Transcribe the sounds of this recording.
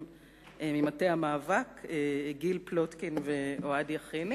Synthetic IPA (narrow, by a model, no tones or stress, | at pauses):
emimatehamaːvakeɡilplotkinveoadiaχini